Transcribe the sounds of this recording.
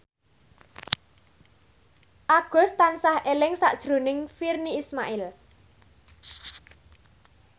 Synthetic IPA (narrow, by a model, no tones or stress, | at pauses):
ʔaɡ̥ɔ̤st̪ansahelɪŋsa̰ʔd̥ʒ̥ɾo̤nɪŋfirniːsmaʔɪl